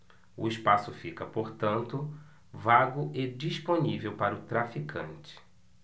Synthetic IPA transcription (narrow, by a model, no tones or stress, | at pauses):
ʊ̰ɪspasʊfikɐpoɾt̪ɐ̃nt̪ʊ | vaɡʊʔed͡ʒisponivewpaɾʊt̪ɾafikʰɐ̰̃nt͡ʃɪ̥